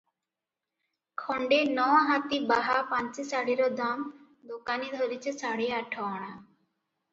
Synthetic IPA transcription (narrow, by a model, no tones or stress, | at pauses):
kʰɔɳɖenɔwɦat̪ibaɦapãnt͡ʃesaɽiɾɔd̪am | d̪okanid̪ʱɔɾit͡ʃʰesaɽeaʈʰɔɔɽ̃a